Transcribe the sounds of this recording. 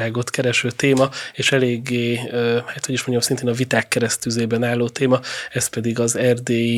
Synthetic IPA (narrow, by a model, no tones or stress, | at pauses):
aːɡo̞t̪kɛɾɛʃøːt̪eːmɒeːʃɛleːɡːeːøhaːt̪ho̞ɟiʃmo̞ɲɟɒmsint̪eːnɒvit̪aːkːɛɾɛst̪yzeːbɛnaːlːoːt̪eːmɒɛspɛd̪iɡɒzɛrd̪eː